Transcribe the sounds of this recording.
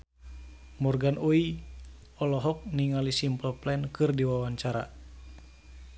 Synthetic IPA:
mɔrɡanoi | ɔlɔɦɔk̚niŋalisimpəlplɛnkɨrdiwawaɲt͡ʃaɾa̰

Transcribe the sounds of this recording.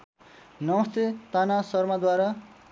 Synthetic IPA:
nʌmʌst̪ʰet̪anasʌrmad̪waɾa

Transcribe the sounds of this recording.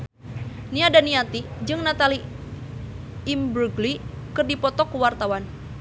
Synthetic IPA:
niadaniat̪id͡ʒɨŋnat̪ali | imbɾuɡli | kɨrdipɔt̪ɔkuwart̪awan

